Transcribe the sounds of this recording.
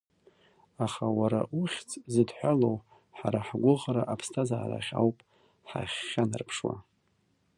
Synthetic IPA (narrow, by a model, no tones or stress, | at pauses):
aχawaɾaʔuχʲt͡sʰʼzɨdħʷᶣalow | ħaɾaħɡʷʊʁɾaʔapʰstʰazaːra̰χʲa̰wpʼ | ħa̰χʲːanɨ̰rpʰʂwa̰